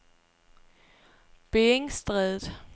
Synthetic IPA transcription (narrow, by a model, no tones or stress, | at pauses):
b̥eːeŋsd̥ʁɛðˠð̩ˠ